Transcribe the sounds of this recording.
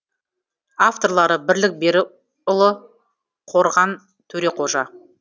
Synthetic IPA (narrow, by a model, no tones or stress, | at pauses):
aft̪o̞rlˠɑɾəbɪɾlɪk̚be̞ɾɪ | ʊlˠə | qʰo̞ɾʁɑn | t̪ʰɵɾe̞qʰo̞ʒɑ